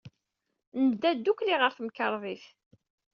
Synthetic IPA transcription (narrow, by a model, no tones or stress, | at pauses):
nəd̪ːæd̪ukliʁəɾθəmkəɾˤðˤiθ